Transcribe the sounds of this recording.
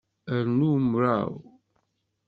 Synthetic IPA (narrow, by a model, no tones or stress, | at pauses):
əɾnumɾa̰w